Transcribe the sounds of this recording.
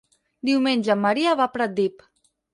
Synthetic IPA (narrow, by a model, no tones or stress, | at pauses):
d̪iwmenʲʒəmːaɾiaβapɾat̪̚d̪ip